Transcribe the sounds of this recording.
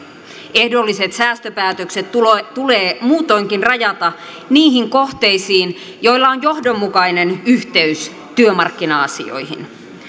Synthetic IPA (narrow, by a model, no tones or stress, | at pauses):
e̞hdolːise̞t̪sæːst̪øpæːt̪økset̪t̪uleːmuːt̪o̞iŋk̟inrɑjɑt̪ɑ | niːhiŋko̞ht̪e̞isiːn | jo̞ilːɑonjo̞hdomːukɑine̞nyht̪e̞ys | t̪yømɑrkːinɑɑsḭo̞̰jhḭn